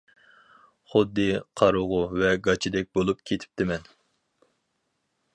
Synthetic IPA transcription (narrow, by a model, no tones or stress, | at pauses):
χʊd̪ːɨqʰɑɾʊʁʊvɛɡɑt͡ʃʰid̪ɛk̚ʲbolˠup̚kʲʰet̪ʰɪ̥p̚t̪ʰɪmɛn